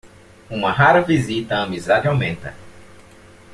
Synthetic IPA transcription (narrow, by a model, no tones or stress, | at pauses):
ũmɐɦaɾɐvizit̪ɐɐmizad͡ʒɪawmẽnt̪ɐ̰